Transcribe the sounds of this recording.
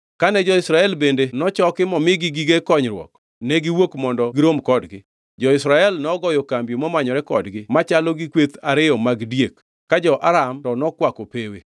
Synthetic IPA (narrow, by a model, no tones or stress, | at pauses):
kanɛd͡ʒɔɪsɾaɛlbendenɔt͡ʃɔkɪmɔmɪɡɪɡiɡekɔɲɾwɔ̰k | nɛɡiwokmɔndɔɡɪɾomkɔdɡɪ | d͡ʒɔɪsɾaɛlnɔɡɔjɔkambjomɔmaɲɔɾɛkɔdɡɪmat͡ʃalɔɡikwet̪aɾɪjɔmaɡdjekː | ad͡ʒɔʔaɾamtɔnɔkwakopewe